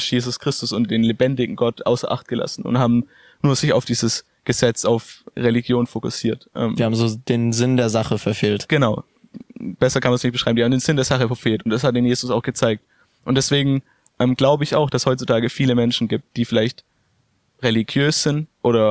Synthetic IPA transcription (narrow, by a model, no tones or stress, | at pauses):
jeːzʊskʁ̥ɪstʊsʊnt̚d̥eːnlebɛndɪɡŋ̩ɡɔtʔa̰ʊsɐʔa̰χt̚ɡ̥əla̰sn̩ʊ̰nthaːbm̩ | nuːɐz̥ɪça̰ʊfd̥iːzəs | ɡ̥əzɛt͡saʊfʁeliɡjoːnfokʊsiːɐtʔɛ̰ːmiːaːbm̩zoːd̥eːnzɪndeːɐzaχəfɛɐfeːltɡ̥ənaʊ | b̥ɛsɐkʰanmanzsnɪçt̚b̥əʃʁ̥aɪm̩ndihabm̩ndeːnzɪndeːɐz̥aχəfɛɐfeːltʊntd̥ashatd̥iːnjeːzʊsaʊxɡ̥ət͡saɪk̚t | ʔʊntd̥ɛsv̥eːɡŋ̩ | ʔɛːmɡlaʊbəɪçaʊxd̥ashɔʏt͡sutʰaːɡəfiːləmɛnʃn̩ɡiːp̚t̚d̥iːfɪlaɪçt | ʁeliɡjøːsz̥ɪntʔoːɾɐ